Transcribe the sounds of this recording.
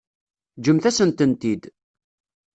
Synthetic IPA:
d͡ʒəmθæsənt̪ənt̪id̪

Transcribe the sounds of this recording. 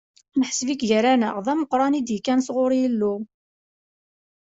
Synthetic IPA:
nəħəsvikʝəɾænəʁðˤæməqɾˤɑnid̪jəkːænsʁʊɾjəlːu

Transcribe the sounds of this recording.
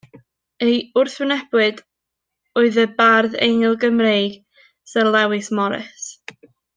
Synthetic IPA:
ejʊrθwɪnɛb̥wɨd | ɔɨðəbarðḛjŋɪlˠɡəmrejɡ̥ | səlˠɛwɨsmɔɾɪ̰s

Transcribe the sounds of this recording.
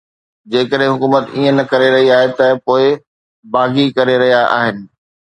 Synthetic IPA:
d͡ʑeːkəɗɦɪ̃ɦʊkuːmət̪iːə̃nɐkɐɾeɾɐɦiaːɦet̪ɐpoːɪ | baːɡikɐɾeɾɐɦijaʔa̰ːɦɪnɪ̆

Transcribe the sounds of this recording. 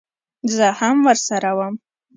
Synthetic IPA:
zaħamwarsaɾawam

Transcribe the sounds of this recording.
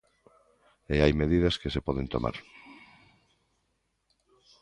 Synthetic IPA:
eajmeðiðɐskesepɔðent̪o̰ma̰ɾ

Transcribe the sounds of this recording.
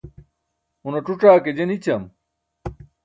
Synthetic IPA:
unɐʈ͡ʂuʈ͡ʂaːked͡ʑenit͡ɕɐm

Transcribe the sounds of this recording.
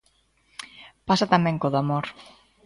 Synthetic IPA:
pasat̪amɛ̃ŋkoðamoɾ

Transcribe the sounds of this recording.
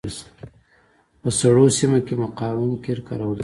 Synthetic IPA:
s | pəsaɽosimakemaqɑwunkeɾka̰ɾawəl

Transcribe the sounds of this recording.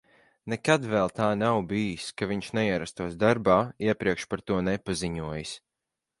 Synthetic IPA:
nekad̪vɛlˠt̪aːnawbijiskaviɲʃnɛiɛɾast̪uɔsd̪aɾbaːiɛpɾiɛkʃpaɾt̪uɔnɛpaziɲuɔjɨs

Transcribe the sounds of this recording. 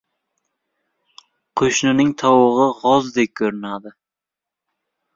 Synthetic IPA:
qʰoʃnɪnɪŋt̪ʰɒwɨʁɨʁɒzd̪ep̚kʲʰɵɾɪnad̪ɪ

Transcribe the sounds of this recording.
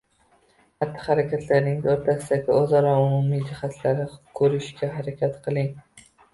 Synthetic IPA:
hat̪ʰːɪ̥haɾakʲʰat̪ʰlaɾnɪŋd̪aoɾt̪ʰasɪd̪aɡʲɪɒzɒɾɒʊmʊmid͡ʒɪhat̪ʰlaɾɪkʰɵɾɪʃkʲʰaɦaɾakʲʰat̪qʰɨlˠɪŋ

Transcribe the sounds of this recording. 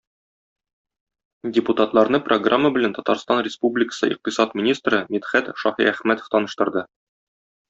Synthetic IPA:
dʲɪput̪at̪lˠɑɾnɤprʔoɡramːəbɘ̆lænt̪ɒt̪ɑ̰ɾst̪ɑnrʲɪspublʲɪkə̥sɤ̰ʔḭq̚t̪ə̆sɑt̪mʲinʲist̪rɤmit̪χæt̪ʃɒhḭæχmæt̪ə̥̆ft̪ɒnɤ̆ʃt̪ɤ̆ɾd̪ɤ

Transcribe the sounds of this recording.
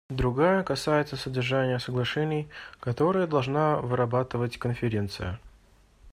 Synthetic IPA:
d̪ɾʊɡajəkɐsajɪt̪səsədʲɪrʐanʲɪjəsəɡlˠɐʂɛnʲɪjkɐt̪o̞ɾɨjəd̪ɐlˠʐnavɨɾɐbat̪ɨvətʲkənfʲɪɾʲe̞nt̪sɨ̰jə̰

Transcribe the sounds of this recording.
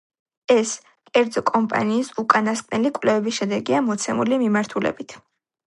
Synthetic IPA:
ɛs | kʼɛɾd̪zɔkʼɔmpʼa̰niːsukʼanaskʼnɛlikʼwvlɛvɛbisʃɛd̪ɛɡiamɔt̪sʰɛmulimimaɾt̪ʰulɛ̰bit̪ʰ

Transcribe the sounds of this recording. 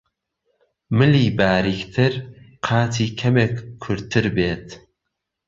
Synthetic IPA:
mɨliːbaːɾikt̪ʰɨɾqʰɑːt̪ʰiːkʰɐmekkʰːʊɾt̪ʰɨɾbeːt̪

